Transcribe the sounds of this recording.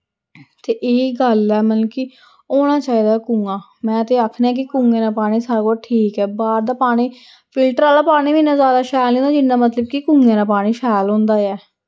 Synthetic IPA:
t̪eːʔeːiɡəlɛːmənki | oːɽ̃aːt͡ʃaːiːd̪aːkʊŋɡãː | mɛ̃ːət̪eːaːkʰnːãːk̬ɪkʊŋɡẽãːnaːpaːɽ̃iːsaːɾakoːɾʈʰiːkɛːbaːɾd̪aːpaːɽ̃iː | pʰɪlʈəɾaːlaːpaːɽ̃iːʋiːnãːzjaːd̪aːʃaːjlẽːnd̪aːd͡ʒɪnːãːmət̪ləb̚kikʊ̃ŋɡeãːnaːpaːɽ̃iːʃaːlõːnd̪aːɛː

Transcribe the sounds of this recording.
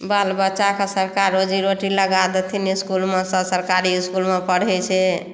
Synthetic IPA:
balbətːt͡ʃakesəɾkaɾod͡ʒiɾoʈiləɡad̪et̪ʰiniskulmesə̃səɾkaɾiiskulmepəɽ̤ɛt͡ʃʰɛ

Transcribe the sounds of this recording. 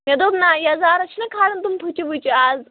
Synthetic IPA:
med̪oːbnaːjɐzaːɾɐt͡ʃʰinɐkʰaːɾɐnt̪umt̪ʰut͡ʃibut͡ʃʰiaːz

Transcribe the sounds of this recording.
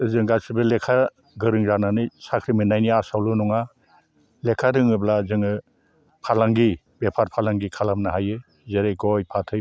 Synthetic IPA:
zɯŋɡasibɯlekʰa | ɡɯɾɯŋɾananɯsakʰɾiminajniasawlunɔŋa | lekʰadɯŋɯblazɯŋɯ | pʰalaŋɡi | bepʰaɾpʰalaŋɡikʰalamnaɦajɯ | zeɾeɡɔjpʰatʰɯ

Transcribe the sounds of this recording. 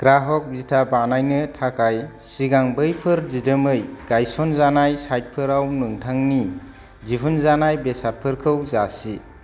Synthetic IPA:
ɡ̥ɾaɦɔk̚bitʰabanajnɯtʰakajsiɡaŋbɯjpʰɯɾzidɯmɯjɡ̥ajsɔnzanajsajt̚pʰɯɾawnɯŋtʰaŋni | zibʰʱɯnzanajbesaɾpʰɯɾkʰɯwzasi

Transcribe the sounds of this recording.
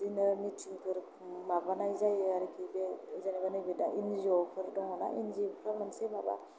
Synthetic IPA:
dinaɾmitʰiŋpʰɯɾ | mabanajzajaɾikʰibezanibanɯjbedaʔinziɔpʰɯɾdɔŋana̰ʔinzippʰɾamansemaba̰

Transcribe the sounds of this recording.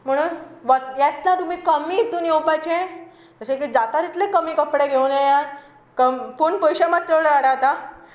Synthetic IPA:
m̤əɽ̃uːnʋajɛt̪lat̪um̤ikəmiːt̪uːnjewpat͡ɕe | k̪əsek̬id͡zat̪aɾit̪lekəmikəpɽeɡʱewneja | kəmpuɳpəjɕamat̪ːəɽaɽat̪a

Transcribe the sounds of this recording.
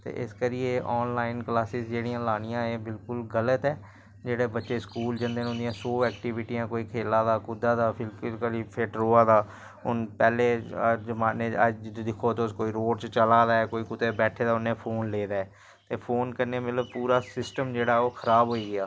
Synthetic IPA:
t̪ḛːʔɪskəɾijeːʔɔːnlaːɪnklaːsɪsd͡ʒeːɽijãːlaːɽ̃ɪjãːeːbɪlkʊlɡələt̪ɛː | d͡ʒeːɽeːbətːʃeːskuːld͡ʒənd̪eːnʊ̃nd̪ɪjãːsoːɛːkʈiʋɪʈijãːkoːiːkʰeːlːaːd̪aːkʊd̪aːd̪aːpʰɪlɪlkəliːpʰɪʈɾoːaːd̪aː | ʊnpɛːleːd͡ʒəmaːneːəd͡ʒd̪d̪ɪkʰːoːt̪eskoːiːɾoːɖt͡ʃt͡ʃəlaːd̪aːɛkoːiːkʊd̪ebɛːʈʰeːd̪aːʊnẽːpʰoːnleːd̪aːɛː | t̪eːpʰoːnkəɾneːmət̪ləb̚puːɾaːsɪsʈəmd͡ʒeːɽaːɛoːkʰəɾaːbɦoːiːɡɪaː

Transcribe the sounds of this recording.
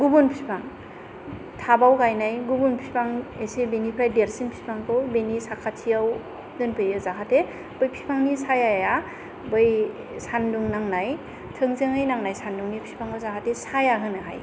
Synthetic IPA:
ɡubunpʰi̥pʰaŋ | tʰabawkajnajɡubunpʰi̥pʰaŋesebenipʰɾajdeɾsinpʰi̥paŋkʰɯwbenisakʰatʰijaw | dɯnpʰɯjɯzakʰate | b̥ɯjpʰi̥pʰaŋnisajajaja | bɯj | sanduŋnaŋnaj | tʰɯŋzɯŋɯjnaŋnajsanduŋnipʰi̥pʰaŋkʰɯwzakʰatesajaɡɯnɯɦa̰j

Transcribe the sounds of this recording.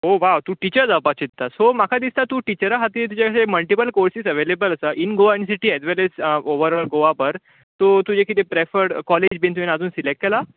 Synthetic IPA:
ɦoʋawt̪ũːʈit͡ɕəɾd͡zapat͡ɕit̪ːasomakʰad̪ist̪at̪uʈit͡ɕəɾaɦat̪iːt̪ud͡ʑakʰaɕeməlʈipəlkoɾsisəʋelebələsəʔinɡoʋans̬iʈiɛzʋɛlesoʋəɾɔlɡoʋapəɾ | t̪ot̪ud͡ʑekʰit̪epɾefəɾɾkɔled͡ʑbʱint̪uʋenad͡zuːnsilek̚ʈ̚kela

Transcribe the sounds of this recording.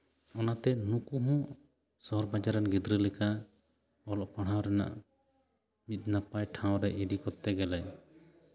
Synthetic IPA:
ɔnat̪ɛnũkuɦɔ̃ | sɔɔɾbad͡ʒaɾɛnɡid̪ɾəlɛka | ɔlɔʔpaɽ̤awɾɛna̰ʔ | mit̪̚ˀnapajʈʰãw̃ɾɛʔid̪ikɔt̪ːɛɡɛlɛj

